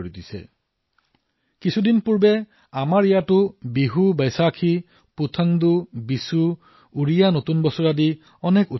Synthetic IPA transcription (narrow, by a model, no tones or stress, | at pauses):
ɹid̪isɛ̰ | kisʰud̪inpuɹbe | amaɹejatʊbiɦubajsakʰi | put̪ʰaŋd̪ubisuː | ɹijanot̪unbɔsɔɹad̪i | ɔneku